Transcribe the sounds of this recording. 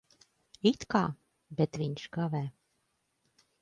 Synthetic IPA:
it̪kɑ | bet̪vinʲʃɡɑvæ

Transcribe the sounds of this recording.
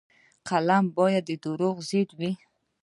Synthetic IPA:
qʰalambɔjad̪id̪uɾuʁzid̪wi

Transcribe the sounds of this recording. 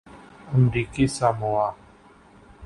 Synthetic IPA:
əmɾikisamoa

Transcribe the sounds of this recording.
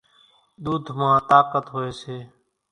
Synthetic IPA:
ɗ̪uːd̪ʱmãːt̪aːkət̪ɦoːeːseː

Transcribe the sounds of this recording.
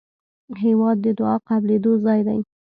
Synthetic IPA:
ɦewɑd̪̚ːəd̪ʊɑqabled̪ozɑjd̪a̰j

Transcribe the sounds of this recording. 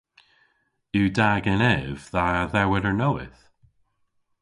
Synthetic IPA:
ʉdaɡɛ̃nɛvðaðəɹwɛðə˞noʊɪ̰θ

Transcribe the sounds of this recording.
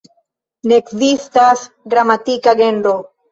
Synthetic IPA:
neːkzistas | ɡɾamatikaɡenɾo

